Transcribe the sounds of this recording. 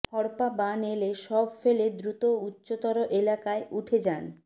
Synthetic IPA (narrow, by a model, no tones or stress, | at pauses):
hɔɾpabaneleʃɔbfeled̪ɾut̪outːɕot̪ɔɾoʔelakaeʔuʈʰed͡ʑan